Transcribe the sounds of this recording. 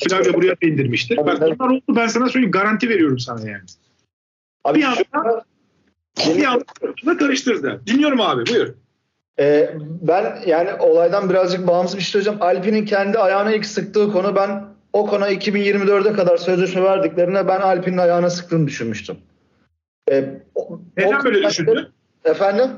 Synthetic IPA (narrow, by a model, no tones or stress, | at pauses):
filʲad͡ʒ̪abuɾajabind̪iɾmiʃt̪ʰiɾbalunlˠaɾo̞lˠd̪ubænsanasølʲɡaɾant̪ʰive̞ɾijo̞ɾumsanaja̰ːnɪ | abijaaa | d͡ʒinijaɯɯunak̪ʰaɾɯʃt̪ɯɾd̪ɯd̪ilʲijo̞ɾumaːbibujuɾ | ɛːbænjaːniʔo̞lˠajd̪anbiɾazd͡ʒɯk̚baːmɯzɯbiʃt̪ʰiood͡ʒamalʲpinincʰɛnd̪iajaːnailʲcsɯk̚t̪ɯːkʰo̞nubæn | o̞kʰo̞naicʰibinjiɾmid̪ø̞ɾd̪ɛkad̪aɾsø̞zlʲeʃmɛvæɾd̪iclʲe̞ɾinɛbænalʲpʰininajaːɯnasɯ̥k̚t̪ʰɯːnɯd̪yʃynmyʃt̪ʰym | ɛːneænbølʲedyʃyn | efænd̪im